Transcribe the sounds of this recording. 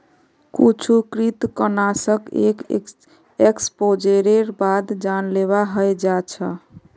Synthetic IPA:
kit͡ʃʰukɾit̪kənasəkḛk | ekspod͡ʒeɾeɾbad̪d͡ʒanleβaɦəjd͡ʒat͡ʃʰə̰

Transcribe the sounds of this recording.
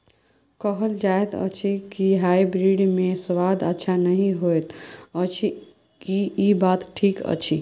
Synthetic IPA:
kəɦəld͡ʒaet̪ə̰t͡ʃʰikiɦaibɾiɖmesʋad̪ətːʃʰanəɦĩɦoet̪ət͡ʃʰi | kiibat̪ʈʰikə̰t͡ʃʰi

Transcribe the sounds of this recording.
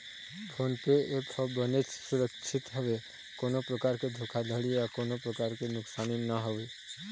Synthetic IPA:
bʰoːnpeeːphɔbənet͡ʃsʊɾəkʃʰɪt̪ɦəʋe | koːnopɾəkaːɾked̪ʱokʰad̪ʱəɽijakoːnopɾəkaːɾkenʊksaːninəɦəʋe

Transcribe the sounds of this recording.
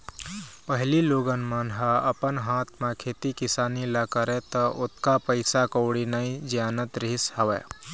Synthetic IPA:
pəɦliloːɡənmənɦaəpənɦãt̪ʰmẽkʰeːt̪ikɪsaːniləkəɾɛt̪əʔot̪kapəɪsakəʊɽinaĩd͡ʒijaːnət̪ɾiisɦəʋɛ̰

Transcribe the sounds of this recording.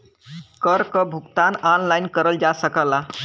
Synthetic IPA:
kəɾkəbʱukt̪ananlajnkəɾəld͡ʒasəkəla

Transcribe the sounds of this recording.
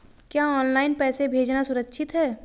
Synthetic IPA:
kjaːɔːnlaːɪnpɛːsebʱeːd͡ʒnasʊɾəkːʃʰɪt̪ɦɛː

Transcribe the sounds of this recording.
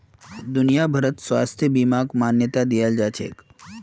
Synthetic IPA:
d̪ʊnijabʱɐɾət̪swa̰ːst̪ʰjəbimaːɡmaːnjət̪ad̪ijald͡ʒaːt͡ʃʰḛːk

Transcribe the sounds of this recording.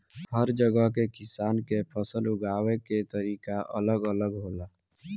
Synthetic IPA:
həɾd͡ʒəɡəɦkekɪsaːnkepʰəsəlʊɡaːweket̪əɾiːkaʔə̰ləɡələɡɦoːlaː

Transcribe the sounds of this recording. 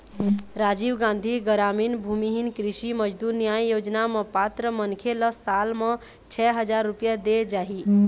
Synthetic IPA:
ɾad͡ʒiʋɡãnd̪ʱiɡəɾaminbʱumiɦinkɾiʃiməd͡ʒd̪uɾnjajjod͡ʒnamə̃pat̪ɾəmənkʰeləssalmə̃ | t͡ʃʰɛɦəd͡ʒaɾːupjad̪ed͡ʒaɦi

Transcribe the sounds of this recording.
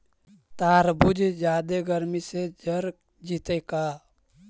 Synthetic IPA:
t̪aːɾbud͡ʒd͡ʒjaːd̪eɡəɾmised͡ʒəɾ | d͡ʒit̪ekaː

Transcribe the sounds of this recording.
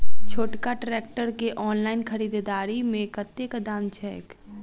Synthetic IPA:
t͡ʃʰoːʈkaʈɾek̚ʈəɾkeʔɔːnlaɪnkʰəɾid̪d̪aːɾimẽkət̪ekəd̪amt͡ʃʰɛːk

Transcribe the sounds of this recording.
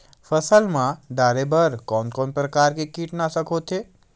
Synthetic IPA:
fəsəlmãd̪aːɾebəɾkɔːnkɔnpɾəkaːɾkekiːʈnasəkʰoːt̪ʰe

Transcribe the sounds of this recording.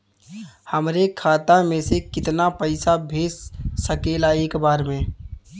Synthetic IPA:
həmɾekʰaːt̪amẽsekɪt̪napəɪsabʱeːssəkeːlaeːkbaːɾmẽ

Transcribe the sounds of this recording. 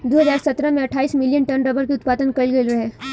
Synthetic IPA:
d̪oːɦɐzaːɾsɐt̪ɾəmẽɐʈʰaːiːsmɪlijənʈɐnɾəbəɾkiʊt̪̚paːd̪ənkɐlɡəilɾɐɦɛː

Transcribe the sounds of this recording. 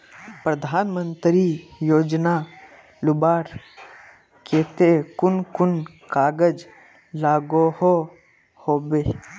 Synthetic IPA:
pɾəd̪ʱaːnmənt̪ɾijoːd͡ʒna | lʊbaːɾ | keːt̪ekʊnkʊnkaːɡəd͡ʒ | laːɡoho | hoːbe

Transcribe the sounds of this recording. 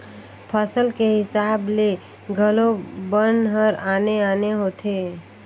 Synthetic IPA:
pʰəsəlkeɦɪsaːble | ɡʱəlobənɦəɾaːneaːneɦoːt̪ʰeː

